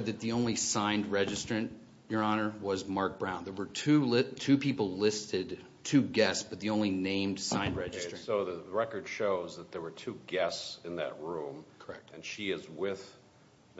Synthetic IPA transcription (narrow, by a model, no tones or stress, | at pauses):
d̪̚ðɨt̪̚ðiõʊ̃nlisãɪ̃ndɹɛd͡ʒɨstɹ̥ɨ̃n | jə˞ɑnə˞wʌzmɑɹk̚b̥ɹãʊ̃nðə˞wə˞tʰʉlɪtʰʉpʰipl̩ˠlɪstɪd | tʰʉɡɛstsb̥ʌt̪̚ðiõʊ̃nlinẽɪ̃md̥sãɪ̃ndɹɛd͡ʒɨsɹɨ̃oʊðəɹɛkə˞d̥ʃoʊzðət̪̚ðə˞wə˞tʰuɡɛstsɨ̃nðɨ̰t̚ɹũmkʰə˞ɛk̚t̚ɨ̃nʃiɪzwɪð